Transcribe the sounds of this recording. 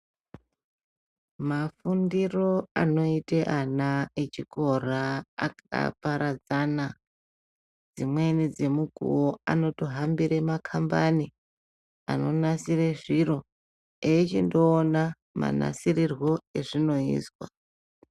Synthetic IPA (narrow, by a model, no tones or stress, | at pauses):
mafundiro̞ano̞iteʔanae̞t͡ʃiko̞ra̰ːka̰paɾad͡zana | d͡zimwe̞nid͡ze̞muɡʱṵo̞ano̞toɦambiɾemakʰambani | a̰no̞nasireʐiɾo̞ | eːt͡ʃindo̞ːna | ma̰na̰sirirwo̞e̞ʐino̞ḭːswa̰